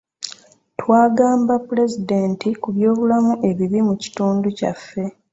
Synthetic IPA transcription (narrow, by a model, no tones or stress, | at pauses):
twaːɡaːmbapule̞zide̞ːntikuβjo̞ːβulamuʔe̞βiβimuci̥tuːnduca̰fːe̞